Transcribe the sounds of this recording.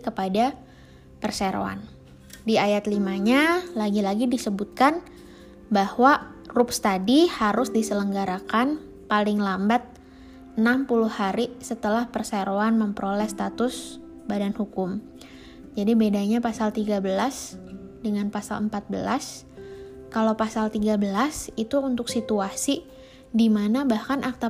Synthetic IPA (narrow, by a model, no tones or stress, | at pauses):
kəpada | pərseɾo̰a̰n | diajat̪limaɲalaɡilaɡidisəbut̪̚kan | bahwarʊpst̪adihaɾʊsdisələŋɡaɾakan | palɪŋlambat̪̚ | ənampulʊhaɾisət̪əlahpərsaɾoanməmpəɾolɛst̪at̪ʊs | badanhukʊm | d͡ʒadibedaɲapasalt̪iɡabəlasdəŋanpasa̰ləmpat̪̚bəlas | kalawpasalt̪iɡabəlasit̪uːnt̪ʊk̚sit̪uasi | dimanabahkanʔak̚t̪a